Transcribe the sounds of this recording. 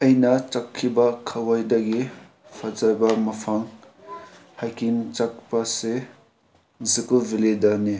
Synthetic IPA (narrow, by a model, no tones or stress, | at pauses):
ɐjnɐt͡ʃakʰːibɐkʰɐwajdɐɡi | pʰazajbɐmɐpʰaŋ | hajkint͡ʃak̚pɐse | zikubiledani